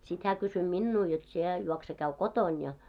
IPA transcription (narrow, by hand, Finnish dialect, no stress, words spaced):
sit hæː kysy minːuː jot sie juokse kæy koton jɑ